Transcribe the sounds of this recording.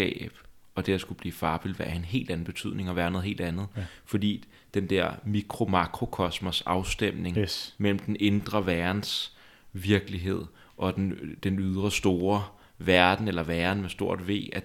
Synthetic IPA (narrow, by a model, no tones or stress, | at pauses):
ɛ̰ːb̥ | ɒ̽d̥eɐsɡ̥ub̥liːfɑ̈ːb̥ilʋæɐ̰enɦe̝̰ːld̥æn̩b̥e̝t͡sʰy̰ð̞̰ˠne̝ŋɒʋæːɐno̽ðˠhe̝̰ːld̥ænð̩ˠfɒ̽d̥ḭː | d̥end̥eɐ̰mikʰʁo̝mɑ̈ɡ̥ʰʁo̝kʰɒ̽smɐsɑ̈ʊsd̥em̰ne̝ŋmel̰m̩d̥ene̝nd̥ʁɐʋæɐns | ʋiɐɡ̥əliɦe̝ð̞̰ˠ | ʔɒ̽d̥end̥enyð̞ˠʁɐsd̥o̝ːɐ | ʋæɐd̥n̩elɐʋæɐn̩mesd̥o̝ɐ̰d̥ʋe̝̰ːæ